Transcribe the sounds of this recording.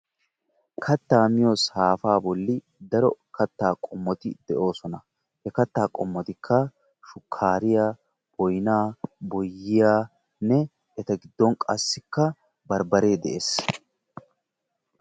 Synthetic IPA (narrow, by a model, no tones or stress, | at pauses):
kʰɐt̪ːaːmɪjɔshaːfaːbɔlːɪ | d̪ɐɾɔkɐt̪ːaːkʼɔmːɔt̪ɪd̪ɛʔo̞ːsɔnɐ | hɛkɐt̪ːaːkʼɔmːɔt̪ɪkʰːɐ | ʃʊkʰːaːɾɪjaː | b̥ɔjnaːbɔjːɪjaː | nɛ | ɛt̪ɐɡɪd̪ːɔnkʼɐsːɪkːɐ | bɐɾbɐɾe̞ːd̪ɛʔeːs